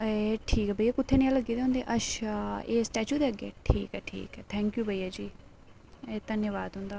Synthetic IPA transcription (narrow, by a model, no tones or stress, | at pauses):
eʈʰiːkɛbʱəiːakʊt̪ʰːeːnɪ̃jãləɡiːd̪eɦʊ̃nd̪eːʔəʃaeːsʈɛːt͡ʃjuːd̪eːəɡḛːʈʰḭːkɛːʈʰḭːkɛːt̪ʰɛ̃ːŋkjuːbʱəiːaːd͡ʒiː | eːd̪ənjəʋaːd̪ɦʊ̃nd̪aː